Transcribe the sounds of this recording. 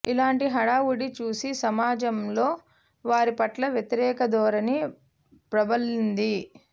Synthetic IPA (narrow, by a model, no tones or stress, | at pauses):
ilaːɳʈiɦɐɽaːwuɽit͡ʃuːsisɐmaːd͡ʒɐmloː | ʋaːɾipɐʈlɐʋjɐt̪iɾɛːkɐd̪ɔːɾɐni | pɾɐbɐlind̪i